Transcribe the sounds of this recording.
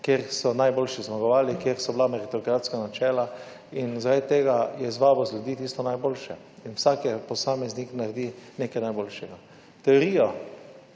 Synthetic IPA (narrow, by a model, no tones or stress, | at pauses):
kjeɾsɔnajboːlʃizmaɡɔʋaːlikjeɾsɔblamɛɾit̪ɔkɾaːt̪skanat͡ʃɛːla | inzaɾad̪ʲɛt̪eɡajɛzʋaːbɔzlʲjud̪iːt̪ist̪ɔnajboːlʃɛ̰ | inwsakɛpɔsaːmɛzniknaɾd̪inekajnajboːlʃɛɡa | t̪ɛoɾiːjɔ